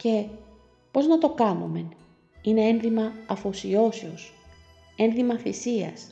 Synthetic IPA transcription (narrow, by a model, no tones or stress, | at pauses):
ce̞ | po̞znɐt̪o̞kɐnume̞n | ine̞e̞nðimɐɐfo̞sio̞seo̞s | e̞nðimɐθisiɐ̰s